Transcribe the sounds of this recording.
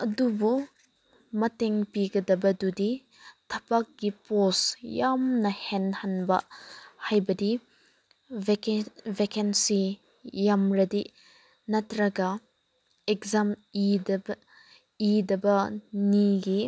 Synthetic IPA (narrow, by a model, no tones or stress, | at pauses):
ɐdubu | mɐteŋpiɡɐdɐbɐdudi | tʰɐpak̚ɡ̥ipɔsjamnɐhenhanbɐ̰hajbɐdi | kvekensi | jamɾɐdi | nɐtɾɐɡɐ | ekzamidb | idɐbɐniɡi